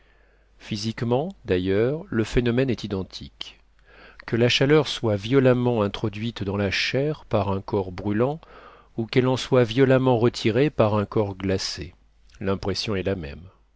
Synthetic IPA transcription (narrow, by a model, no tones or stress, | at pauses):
fizikmɑ̃d̪ajœʁləfenɔmɛnɛt̪id̪ɑ̃t̪ʰik | kəlaʃalœʁswavjɔlamɑ̃ɛ̃t̪χɔd̪ɥit̪d̪ɑ̃laʃɛʁpaʁɛ̃kɔʁbʁylɑ̃ | ukɛlɑ̃swavjɔlamɑ̃ʁət̪ʰiʁepaʁɛ̃kɔʁɡlase | lɛ̃pχesjɔ̃ɛlamɛ̰m